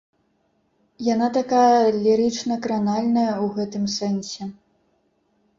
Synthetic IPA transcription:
jan̪at̪akajɐɐlʲiɾɨt͡ʂnɐkɾanalʲnɐjɐwɣɛt̪ɨmsɛnsʲɛ

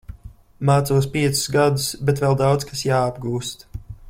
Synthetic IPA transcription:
maːt̪suɔspiɛt̪sʊ̥zɡad̪usbɛt̪vɛlˠd̪awt̪skasjaːab̚ɡuːst̪

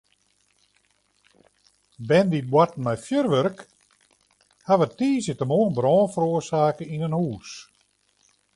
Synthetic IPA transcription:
bɛndit̚bwatn̩mɛjfjørʋørk | haʋətiːsjətəmoːənbrɔːnfəɾoərsaːkəinənhuːs

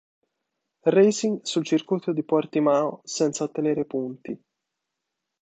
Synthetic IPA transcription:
rejziŋsult͡ʃirkujt̪od̪ipɔrt̪imaːosɛnt̪saot̪ːeneːɾepunt̪i

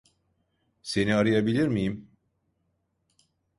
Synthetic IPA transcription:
se̞niaɾɯjabilʲiɾmijim

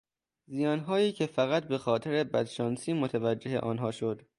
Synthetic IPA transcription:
zijɒːnɦɒːjiːcʰe̞fæɣæt̪̚be̞xɒːt̪ʰeɾebæd̪ʃɒːnsiːmot̪ʰævæd͡ʒːe̞ɦeʔɒːnɦɒːʃod̪̥

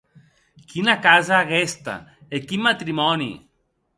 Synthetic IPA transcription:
kʰinakazaːɣɛst̪a̰ekimːat̪ɾimɔnḭ

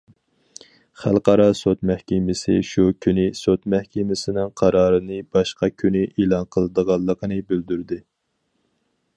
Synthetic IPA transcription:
χælˠqɑɾɑsot̪mæhkʲɪmɪsɪ̰ʃukʲʰynɪsot̪mæhkʲɪmɪsɪnɪŋqʰɑɾɑːɾɨnɨbɑʃqɑkʲʰynɪʔelˠɑnqʰəlˠɨd̪əʁɑlˠːəqʰənɨbyld̪yɾd̪ɪ

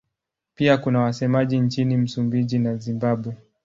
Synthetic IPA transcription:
piakunawasɛmaʄint͡ʃinim̩sumbiʄinazimbaɓwɛ

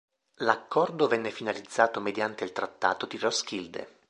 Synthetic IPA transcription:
lakːɔrd̪ovɛnːefinalid̪zːaːt̪omed̪jant̪eilt̪ɾat̪ːa̰ːt̪od̪irɔskild̪ḛ

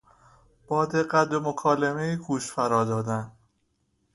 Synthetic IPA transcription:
b̥ɒːd̪eɢæt̪̚bomokʰɒːlemejiɡuːʃfæɾɒːd̪ɒːd̪æn

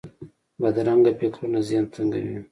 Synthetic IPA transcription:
bad̪aɾaŋɡapekɾunazjɑnt͡səŋɡa̰wḭ

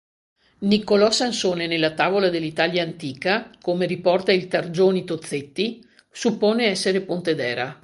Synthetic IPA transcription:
nikolɔsːansoːnenelːat̪aːvolad̪elːit̪aljaːnt̪iːkakomeɾipɔrt̪ailt̪ard͡ʒoːnit̪ot̪sːet̪ːi | supːoːneɛsːeɾepont̪ed̪ɛːɾa

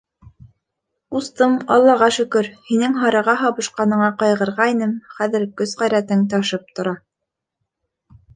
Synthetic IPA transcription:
ust̪ɤmɑ̰lˠːɑʁɑʃɵ̆kɵɾhinɘŋɦɑɾɑʁɑɦɑβɤ̆ʃqɑnɤ̆ɴɑqɑjʁɤ̆ɾʁɑinɘmχæðɘ̆ɾkɵzʁɑjɾæt̪ɘŋt̪̬ɑʃɤp̚t̪ŏɾɑ

